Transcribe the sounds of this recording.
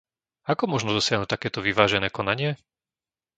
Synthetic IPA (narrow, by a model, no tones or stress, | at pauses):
akɔmʊɔʒnɔd̪ɔsɪaɦnut̪akɛːt̪ɔʋiʋaːʒɛnɛːkɔnaɲɪɛ